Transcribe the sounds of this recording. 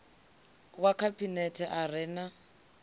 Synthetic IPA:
wakʰabʼinɛtʰɛʔarɪna

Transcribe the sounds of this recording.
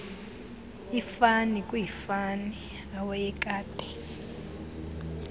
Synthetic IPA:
ifanikʼujifani | awɛjɛkʼaːtʼɛ̥

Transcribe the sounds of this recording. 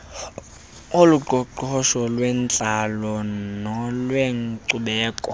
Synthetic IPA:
oluǃʱɔǃɔʃɔlwɛnt͡ɬʼalɔnɔlweŋǀuɓɛːkʼɔ

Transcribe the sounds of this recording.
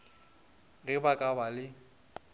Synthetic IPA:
rɪbakʼabalɪ

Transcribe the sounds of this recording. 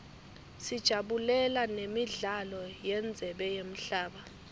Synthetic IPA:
sid̥ʒ̥ʱaɓulɛlanemiɮalɔjɛnd͡zʱɛɓɛjem̩ɬaːɓa

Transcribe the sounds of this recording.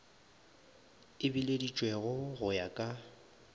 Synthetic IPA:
ɪbiledit͡ʃʼweɣʊɣʊjakʼa

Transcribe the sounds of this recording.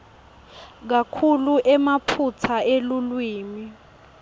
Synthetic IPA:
k̬akʰuluʔɛmapʰut͡sʰaelulwiːmi

